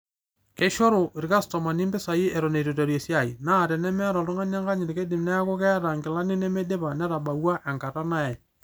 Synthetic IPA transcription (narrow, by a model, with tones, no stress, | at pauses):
ke˦ʃo˦ɾʊ˨ɪ˨ɾka˦stɔ˨ma˨ni˦mbɪ˦sa˨i˦ɛ˨ɾo˨ne˨to˨to˨ɾje˨sja˨i˨na˦˨ɾɛ˨nɛ˦mɛ˦ɾɔ˨lʊ˦ŋa˦ɲa˦ŋɡa˦ɲɪ˨ɾke˦dɪ˨mnɛ˦a˦kɔ˦kɛ˦ɾa˨ŋɡɪ˨la˦nɪ˦nɛ˦me˦de˦pa˨nɛ˦ɾa˨ba˨wa˦ʔɛ˨ŋka˨ta˦na˦ɛ˨